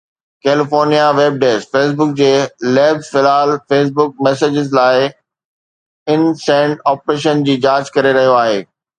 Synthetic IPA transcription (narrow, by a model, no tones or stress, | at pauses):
keːlɪfoːɾnijaʋeːb̚ɖeːsfeːs̬bʊk̚d͡ʑeːleːbzfɪlaːlfeːs̬bʊk̚mɛːseːd͡ʑɪzlaːɪ | ɪnsɛ̃ːɳɖɔːpɾeːʃənd͡ʑiːd͡ʑaːd͡ʑkɐɾeɾɐɦijoaːɦḛː